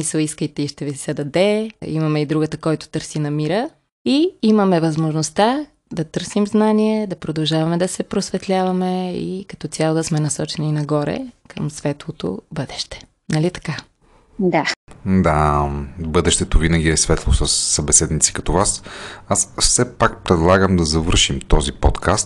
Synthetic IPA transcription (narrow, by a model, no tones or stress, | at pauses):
smisəlˠiskəjt̪ɛiʃt̪ɛvisɛd̪ɐd̪ɛḭmɐmɛid̪ɾuɡət̪əkɔjt̪ʊ̥t̪ɤɾsinɐmiɾə | iimɐmɛvɐzmoʒnost̪a | d̪ɐt̪ɤɾsimznaniɛd̪ɐpɾod̪ɐlˠʒavɐmɛd̪ɐsɛpɾosvɛt̪lʲavɐmɛḭkɐ̥t̪ɔt̪ʲalˠod̪ɐsmɛnɐsɔt͡ʃɛninɐɡɔɾɛ̰kʰəmsvɛt̪lˠot̪o̰bɤd̪ɛʃt̪ɛ̥ | nɐlit̪ɐ̥ka | d̪ad̪a | bɤd̪ɛʃt̪ɛt̪ovinəɡʲiɛsvɛt̪lˠosəsːɐbɛsɛd̪nit̪si̥kɐt̪ɔvasasfsɛpak̚pɾɛd̪lˠaɡəmd̪ɐzɐvɤɾʃimt̪ɔzipɔt̪kʰast̪